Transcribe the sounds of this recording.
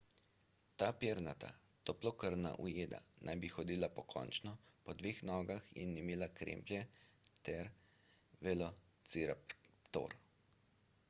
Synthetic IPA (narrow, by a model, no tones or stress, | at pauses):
t̪aːpeːɾnat̪a̰ | t̪oplɔkəɾna̰ʔṵjeːd̪a̰nʔajbixɔd̪iːlapɔkʰɔ̰ːnt͡ʃnɔpɔd̪ʋeːxnɔːɡaxḭnːimeːlakɾḛːmplʲjɛt̪ɛɾ | ʋɛlɔ | t̪t͡ssiɾapt̪o̰ːɾ